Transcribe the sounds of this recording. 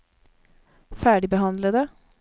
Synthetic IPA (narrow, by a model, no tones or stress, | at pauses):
fæːɖɪbəhɑnd̪ləd̪ə